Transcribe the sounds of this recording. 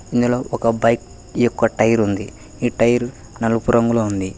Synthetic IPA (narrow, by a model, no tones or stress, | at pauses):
ind̪ulo̞ːʔɔkɐbɐjk̚ | ijɔkːɐʈɐjɐɾund̪i | iːʈɐjɐɾu | nɐlɐɡupuɾɐŋɡuloːund̪i